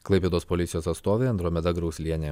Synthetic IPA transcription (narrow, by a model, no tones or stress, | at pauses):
klˠɐɪpʲeːd̪oːspɔlʲɪt̪sʲɪjoːsɐt̪st̪oːʋʲeːɐnd̪ɾoːmʲɛd̪ɐɡɾɒʊsʲlʲiɛnʲeː